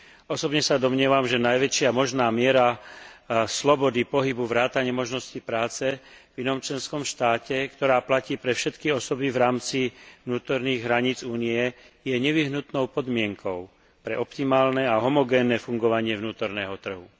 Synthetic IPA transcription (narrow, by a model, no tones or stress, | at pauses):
ɔsɔbɲɛsad̪ɔmɲɪɛʋamʒɛnajʋɛt͡ʃɪamɔʒnaːmɪɛɾa | slɔbɔd̪ipɔɦibuvɾaːt̪aɲɪɛmɔʒnɔscipɾaːt͡sɛ | vinɔmt͡ʃlɛnskɔmʃt̪aːcɛkt̪ɔɾaːplaciːpɾɛfʃɛt̪kiɔsɔbivɾaːmt͡sivnuːt̪ɔɾniːɣɦɾaɲiːd͡zuːniɛ | jɛɲɛʋiɦnut̪nɔʊpɔd̪mɪɛŋkʰɔʊ | pɾɛʔɔpt̪imaːlnɛaɦɔmɔɡɛːnːɛfuŋɡɔʋaɲɪɛvnuːt̪ɔɾnɛːɦɔt̪r̩ɦu